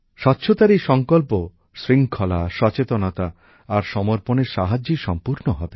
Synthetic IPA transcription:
ʃɔtːɕʰot̪aɾiʃɔŋkolpo | sɾiŋkʰɔla̰ʃɔt͡ɕet̪onot̪aː | ɾʃɔmoɾponeɾʃaɦad͡ʑiʃɔmpuɾnoɦɔbe

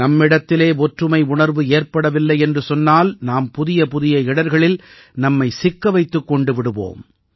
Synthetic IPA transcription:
nɐmːɪɽɐt̪ːɪleːɔʈrɯmɐɪʊɳɐɾʋɯeːɾpɐɽɐʋɪlːɐɪɛndrɯsɔnːaːlnaːmpʊðɪjɐpʊðɪjɐɪɽɐɾɣɐɭɪl | nɐmːɐɪsɪkːɐʋɐɪt̪ːɯkːɔɳɖɯʋɪɽɯʋo̰ːm

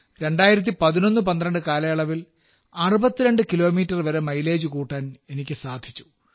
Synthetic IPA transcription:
ɾe̞ɳɖaːjiɾɐt̪̬ːipɐðino̞nːɨpɐnd̪ɾɐɳɖɨkaːlɐjɐɭɐʋil | aːrubɐt̪ːiɾe̞ɳɖɨkilo̞ːmiːtːɐrʋɐɾe̞mɐjle̞ːd͡ʑukuːʈːaːne̞nikʲːɨsaːd̪ʱit͡ɕːu̥

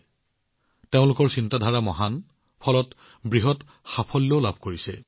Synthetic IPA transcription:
teʊ̃lʊkɔɹsintadʱaɹamɔɦan | pʰɔlɔt | bɹiɦɔt | xapʰɔlːeʊlabʱkoɹisɛ̰

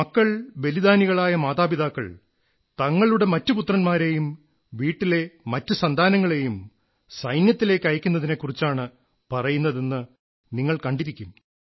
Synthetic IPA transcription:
mɐkːɐɭbe̞lid̪aːniɣɐɭaːjɐmaːðaːbiðaːkːɐ̰ɭ | t̪ɐŋːɐɭuɽe̞mɐtːɨput̪rɐnmaːɾe̞jum | ʋiːʈːile̞mɐtːusɐnd̪ʱaːnɐŋːɐɭe̞jum | sɐjnjɐt̪ːile̞ːkʲːɐjɐkʲːunːɐðinekːurit͡ɕːaːɳɨ | pɐrɐjunːɐðe̞nːɨ | niŋːɐɭkɐɳɖiɾikʲːum

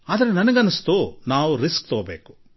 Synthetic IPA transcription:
aːd̪ɐɾenɐnɐɡɐnːɐst̪uːnaːʋuɾiskt̪oːbḛːku̥

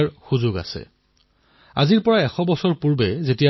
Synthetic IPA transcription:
ɹxuzʊɡa̰sɛ̰ | a̰ziɹpɔɹaɛxɔbɔsɔɹpuɹbɛzetija

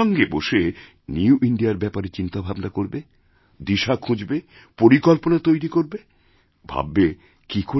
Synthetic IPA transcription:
ɔŋɡeboʃe | niuʔiɳɖiaɾbɛpaɾet͡ɕint̪abʱabnakoɾbe | d̪iʃakʰũd͡ʑbe | poɾikɔlponat̪ojɾikoɾbe | bʱa̰bːe | kiko

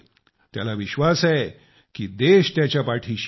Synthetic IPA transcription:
t̪ja̰laʋiɕʋasaj | kiːd̪eɕt̪jat͡ɕjapaʈʰiːɕ

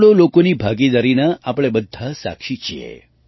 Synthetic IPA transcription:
ɽolokoniːbʱaɡid̪aɾinəʔapɭebəd̪ʱːasa̰kʃit͡ɕijḛ

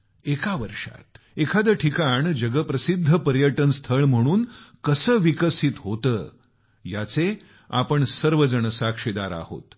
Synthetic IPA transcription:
ekaʋəɾʂa̰t̪ | ekʰad̪əʈʰikaɳd͡ʑəɡəpɾəsid̪ʱːəpəɾjəʈənst̪ʰəɭm̤əɽ̃uːnkəsəːʋikəsit̪ɦot̪əː | jat͡se | a̰pəɳsəɾʋəd͡zəɳəsakʂid̪aɾa̰ho̰t̪

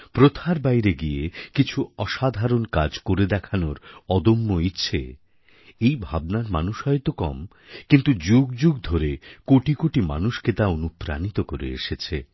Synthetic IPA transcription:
pɾot̪ʰaɾbajɾeɡijekit͡ɕʰuɔʃad̪ʱaɾonkad͡ʑkoɾed̪ɛkʰanoɾɔd̪omːoitːɕʰḛ | ejbʱab̚naɾma̰nuʃɦɔet̪okɔ̰m | kint̪ud͡ʑuɡd͡ʑuɡd̪ʱoɾekoʈikoʈima̰nuʃket̪aonupɾa̰nit̪okoɾḛḛʃet͡ɕʰḛ

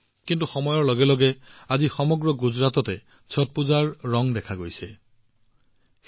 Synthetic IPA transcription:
kintuxɔmɔjɔɹlɔɡɛlɔɡɛazixɔmɔɡɹɔɡuzɹatɔtɛ | sʰɔt̚puzaɹːɔŋdɛkʰaɡojsɛ

